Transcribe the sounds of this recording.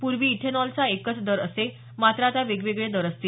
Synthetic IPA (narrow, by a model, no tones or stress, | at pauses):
puɾʋiːʈʰenɔlt͡saekət͡sd̪əɾəse | mat̪ɾat̪aʋeɡʋeɡɭed̪əɾəst̪i